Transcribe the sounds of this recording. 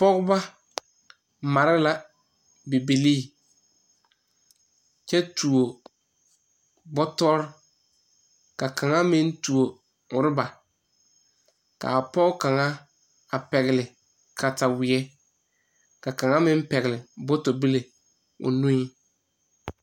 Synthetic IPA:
pɔ˦ɣʊ˦ba˦ | ma˨ɾɪ˦la˦ | bɪ˨bi˨liː˦˨ | t͡ʃɛ˦tu˨o˨ | bɔ˦tɔ˦ɾɪ˦ | ka˨kʰa˨ŋa˦mɪ˦n˦tu˨o˨ | ʊ˨ɾɪ˦ba˨ | ka̰˨a˨pɔ˦ɣka˨ŋa˦ | a˨pɛ˨ɣɪ˨lɪ˨ | kʰa˨ta˨wɪ˨ɛ˦ | ka˨ka˨ŋa˦mɪ˦m˦pɛ˨ɣɪ˨lɪ˨bɔ˦to˨bi˦le˨ | ʊ̰˨nũ˦ɲi˦

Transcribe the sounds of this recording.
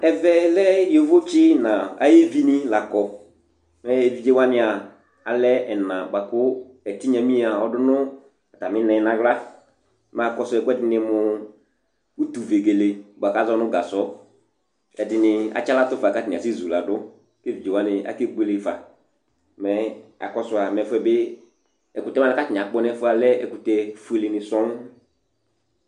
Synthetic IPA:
ɛ˨vɛ˦lɛ˦jo˦vo˦t͡ʃɪ˦nã˨a̰˨je˦vi˦nɪ˦la˨kɔ˧ | mɛ˦e˨vi˨d͡ʒe˦wa˦nɪ˦a˨ | a˨lɛ˦ɛ˨nã˨ɡ͡ba˨kʊ˦ | ɛ˨tɪ˦ɲa˨mĩ˦a˨ɔ˦dʊ˦nʊ˦ | ɛ˨ta˨mɪ˦nɛ˨˦nã˨ɣla˦ | ma˨kɔ˦sɔ˦ɛ˨kʊ˦ɛ˦dɪ˨˦nɪ˧mʊ˨ | u˦tu˨ve˨ɡe˨le˨bʷa˨ka˦zɔ˦nʊ̃˦ɡa˨sɔ˦ | ɛ˨dɪ˨nɪ˨a̰˨t͡ʃa˦la˦tʊ˦fa˨ka˦tɪ˨ã˨sɪ˦zu˨la˨dʊ˦ | kɪ˦du˨d͡ʒo˨a˦nɪ˨a̰˨kɪ˦ɡ͡be˦lɪ˨fa̰˨ | mɛ˨a̰˨kɔ˦sʊ˨a˨mɛ˨fʊ˦ɛ˦bɪ˦ | ɛ˨ku˨tɛ˦ma˨ɛ˨ka˦tɪ˨a˨k͡pɔ˦nɛ˦fʊ˦a˨lɛ˦ɛ̰˨ku˨tɛ˨fu˦e˨lɪ˨nɪ˨sɔ̃˦ŋ˦

